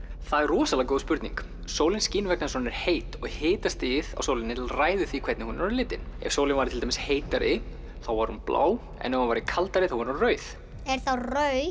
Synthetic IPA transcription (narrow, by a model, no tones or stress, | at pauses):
θaðɛrrɔːsalakoːwðspʏɾt̪nḭŋk | soːwlɪnsciːnvɛk̚nansɔnːɛɾ̥heːjt̪ɔɣhɪːt̪ast̪ɪːða̰wsowlɪnːɪt̪ʰɪlraːjðʏθikʰvɛt̪nɪhunɾaɾlɪːt̪ɪnɛ̰v̥soːwlɪnvaɾɪt̪ʰɪlt̪amɪsheːjt̪aɾɪ | θawvaɾ̥hunplʔa̰ːw | ɛ̰nːɛunvajɾɪkʰalt̪aɾɪθawvaɾunrœːɥθ | ɛɾ̥θawrœɥ